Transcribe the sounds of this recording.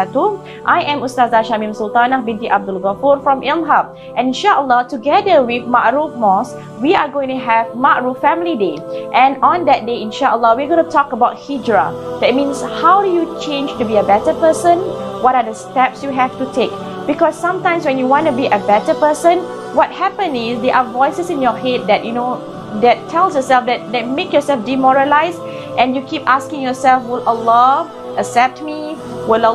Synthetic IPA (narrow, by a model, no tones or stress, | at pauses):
tu | ʔajʔɛ̃mustazaʃamĩmsult̪anahbĩntiʔab̚dʊlɣafuɹfɹɔ̃mʔilɦap̚ | ʔɛ̃nĩnʃaʔəlːɔtuɡɛdəwiθmaʔɹufmɔs | wiaɡõɪ̃ŋtuɦɛvmaʔɹuffɛ̃mlideʔɛ̃nɔ̃nd̪ɛt̚deĩnʃaʔəlːɔwiaɡõntutʰɔkəbaʊt̚hid͡ʒɹa̰d̥ɛt̚mĩnshawdujut͡ʃẽnd͡ʒtubiəbɛtəpəsə̃nwɔɾadəstɛpsjuɦɛftutʰek | b̥ikɔsːãmtãɪ̃mswɛ̃njuwɔ̃ntubiʔəbɛtəpəsə̃n | wɔt̚hɛpə̃nɪsdeʔavɔɪsəsɪ̃njɔhet̚d̪ɛt̚juno | d̪ɛtʰːɛlsjɔsɛlfdɛt̚dɛt̚mekjɔsɛlfdimɔɹəlaɪs | ʔɛ̃njukʰipaskɪ̃ŋjɔsɛlfwɪləlɔ | əksɛp̚t̚miwɪl